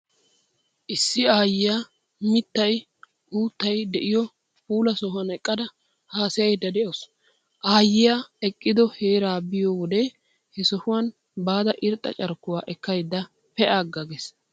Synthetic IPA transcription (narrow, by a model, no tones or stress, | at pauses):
ʔɪsːɪaːjɪjaː | mɪt̪ːɐj | huːt̪ːɐjd̪ɛʔɪjɔ | puːlɐsɔhʊɐnɛkʼːɐd̪ɐ | haːsɛjɐjd̪ɐd̪ɛʔos | ʔaːjɪjaɛkʼːɪd̪ɔheːɾaːbɪjɔwɔd̪ɛ | hɛsɔhʊwɐn | baːd̪ɐʔɪɾt̪ʼːɐ̰t͡ʃʼɐɾkːʊwaːʔɛkːɐjd̪ːɐ | pɛʔaːɡːɐɡɛs